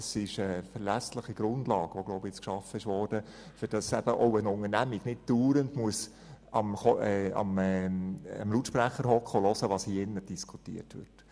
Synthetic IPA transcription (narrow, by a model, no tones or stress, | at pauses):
ɛsɪʃəfəɾlæsləχiɡ̥ɾʊndlɑːɡ̥ʋoɡloʊpjɪt͡skʃɑfəɪʃʋɔːrd̥əfɪɾd̥ɑsɛb̥əʔɔʊənʊŋənæmiɡnɪt̚d̥uːɾəndmuəs | ɑmɔɛɑ̰mɛ̰mlutʃpɾæχəɾɦɔkχolɔsəʋɑːshiɪnːəd̥iskʰu̥tḭətʋɪ̰